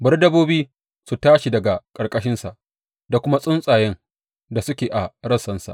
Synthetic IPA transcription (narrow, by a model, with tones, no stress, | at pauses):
bɐ˦rdɐ˦boː˦biː˦ | su˨taː˦ʃi˨dɐ˨ɡa˨kʼɐ˨rkʼɐ˦ʃɪ˦nsa˨ʔ | da˨kʷʊ˦ma˦sʼʊ˦nsʼaː˨jɛ˦ŋ | da˨sʊ˦kʲeː˨ʔa˨ɽɐ˦sɐ˦nsa̰˨ʔ